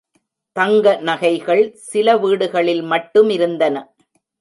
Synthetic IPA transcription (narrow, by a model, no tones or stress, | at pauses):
t̪ɐŋɡɐnɐɣɐɪɣɐɭsɪlɐʋiːɽɯɣɐɭɪlmɐʈːɯmɪɾɯnd̪ɐnɐ